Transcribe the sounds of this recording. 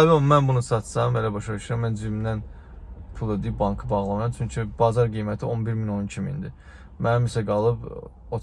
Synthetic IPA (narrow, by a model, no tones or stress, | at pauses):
omænbunusɑt̪sɑmelæbɑʃɑyʃɾɑmːænzd͡ʒ̪yind̪æn | pʰulˠed̪iib̚bɑŋkʰɯbɑɣlˠɑmɾɑmt͡ʃʰyɲcʰib̥ɑzɑɾɡijmæt̪ʰio̞nbiɾmino̞ncʰimiḭnd̪i | mænmisæɡɑlˠɯb | ot̪